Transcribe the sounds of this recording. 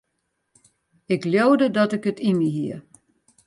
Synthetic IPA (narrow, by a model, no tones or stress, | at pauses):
ɪkljowdədɔtɪkətʰimiɦiə